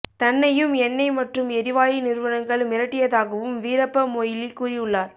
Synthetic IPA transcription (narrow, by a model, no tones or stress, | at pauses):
t̪ɐnːɐjɯmɛnːɐɪmɐʈrɯmɛɾɪʋaːjinɪɾɯʋɐnɐŋɡɐɭmɪɾɐʈːɪjɐðaːɣɐʋɯmʋiːɾɐpːɐmoːjɪlikːuːrɪjɯɭːaːɾ